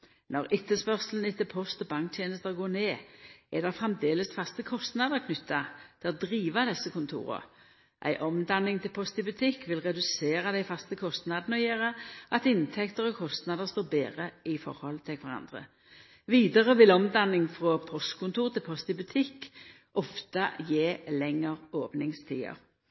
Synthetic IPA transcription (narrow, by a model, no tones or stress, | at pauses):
nɔʁɪt̪ːəspœʁslən̩ɪt̪ːɪlpʰɔst̪ɔbɑŋkt̪ʰjeːnəst̪əʁɡoːneːɛd̪ɛfʁɛmd̪eːləsfɑst̪əkʰɔst̪nɑd̪əʁkʰnʏt̪ʰːɑt̪ʰɪɔd̪ʁiːʋɑd̪ɛsːəkʊnt̪ʰṵːɾə̰ | ʔæ̰ɪʔɔmd̪ɑnːɪŋt̪ʰɪlpʰɔst̪ɪbʉt̪ʰɪkːʋɪlʁɛd̪ʉseːɾɑd̪æɪfɑst̪əkʰɔst̪nɑd̪nəɔjeːʁəʔɑt̪ɪnt̪ʰɛkt̪əɾɔkʰɔst̪nɑd̪əʁst̪oːbeːʁəɪfɔ̰ʁhɔlt̪ʰɪlkʰʋæɾʁɑ̰nd̪ʁə̰ | ʋiːd̪əʁəʋɪlɔmd̪ɑnːɪŋfʁɔpʰɔst̪kʰʊnt̪ʰuːʁt̪ʰɪlpʰɔst̪ɪbʉt̪ʰɪkː | ʔɔft̪ɑjeːlɛŋːəʁoːpnɪŋst̪ʰḭːə̰ɾ